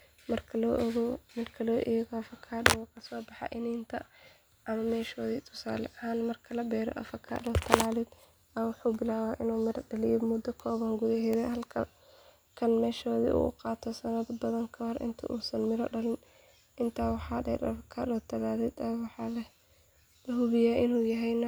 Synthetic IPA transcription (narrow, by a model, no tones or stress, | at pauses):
mɐrkʰɐlɣmɐrkʰɐlɔːʔɛːɣɔɐfɐkʰaːɗɔwɔkʰɐsɔːbɑħɑ̰ʔɪniːnt̪ʰɐ | ʔɐmɐmɛːʃɔːðiːt̪ʰʊ̥sa̰ːlɛ̰ʔɐhaːnmɐrkʰɐlɐbɛːɾɔ̰ʔɐ̰fɐkʰa̰ːɗɔːt̪ʰɐlaːlɪd̪ | ɐwʊħuːbɪlaːwaʔɪnuːmɪɾɐɖɐlɪjɔmʊd̪ːɐkʰɔːβɐŋɡuðɐɦɛðɛhɐlkʰɐ̰ | kʰɐnmɛːʃɔːðḭʔṵːʔʊ̰qɑːt̪ʰɔsɐnɐdbɐðɐŋkʰɐwɔrʔɪ̰nt̪ʰɐ̰ʔuːsɐnmɪɾɐ̰ɖɐlɪn | ʔɪnt̪ʰaːwɑħɑːdɛ̰ɾɐ̰fɐkʰa̰ːɾɔːt̪ʰɐlaːlɪd̪ɐwɑħɑːlɛ | lɐɦʊβɪjaːʔɪnuːjɐɦɛjnɐ